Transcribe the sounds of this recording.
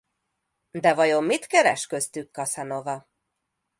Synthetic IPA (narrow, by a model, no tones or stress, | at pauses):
d̪ɛvɒjo̞mːit̪kɛɾɛ̰ʃkøst̪ykːɒsɛno̞vɒ